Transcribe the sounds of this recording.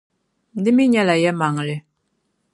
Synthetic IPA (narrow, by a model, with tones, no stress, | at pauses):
nd̪i˩˨mi˥˨ɲa˥˨la˨ja˥˨ma˨ŋ˨re˩˨